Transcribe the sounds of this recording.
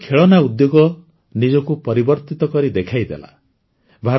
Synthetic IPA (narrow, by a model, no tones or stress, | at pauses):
kʰeɭɔnaud̪joɡɔ | nid͡ʒɔkupɔɾibɔɾt̪it̪ɔkɔɾid̪ekʰajd̪ḛla̰ | bʱaɾ